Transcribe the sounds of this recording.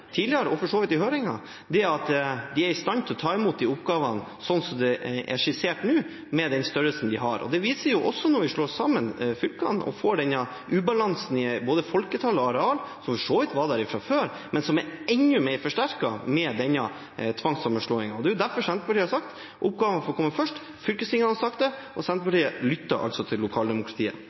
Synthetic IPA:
t̪ʰiːd̪lɪəɾəɔfɔʂoːʋɪt̪ːɪhøːɾɪŋɑ̰ | d̪ɛɑt̪d̪ɪæɾɪst̪ɑnt̪ʰlɔt̪ʰɑːɪmuːt̪̚d̪iʊpɡɑːʋɑnsɔnsɔmd̪ɛʔɛ̰ʂɪseːʈnʉː | mɛd̪ɛnst̪œɾəlsnd̪ɪɦɑɾɔ̰d̪ɛʋiːsəɾjʊʔɔsːɔnɔɾʋɪʂɭoːsɑmənfʏlkɑ̰nʔɔ̰foːɖɛnːɑ | ʔʉːbɑlɑnsn̩ɪboːd̪əfɔlkət̪ʰɑlɔɑɾɛɑːlsɔmfɔʂoːʋət̪ʋɑæɾɪfɾɑføːɾ | mɛnsɔmɛɾɛnːʉmɛɪɾfɔʂʈæɾkɑmɛd̪ɛnːɑ | t̪ʰʋɑŋsɑməʂɭoːɪŋɑɔd̪ɛːʊd̪æɾfɔɾʂɛnt̪əpʰɑʈʰiːəhɑsɑkt̪ | ʔʊp̚ɡɑːʋnfɔkʰɔmːəfœʂʈ | fʏlkəsɪŋːɑnɑsɑk̚t̪d̪ɛʔɔsɛnt̪əpʰɑʈiːəlʏt̪ːɑʔɑ̰lsɔt̪ʰɪlːʊkʰɑːld̪ɛmʊkʰɾɑt̪ʰiːə̰

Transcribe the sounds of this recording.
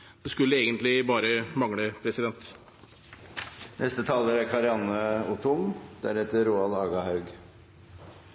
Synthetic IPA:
d̪̥ɛskʉlːəeːɡənt̪lɪbɑːɾəmɑŋləpʰɾɛsɪd̪ɛnt̪ | nʔɛst̪ət̪ʰɑːləɾæɾkʰɑɾɪɑnəʊt̪ʰʊmd̪̥æ̰ɾɛt̪əɾuːɑlɑːɡɑhɑʉɡ

